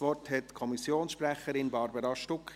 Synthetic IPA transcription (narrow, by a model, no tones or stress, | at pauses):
ʋɔrthɛtkʰɔmisjoːnsʃpɾæχəɾɪnbɑɾbəɾɑʃtʊk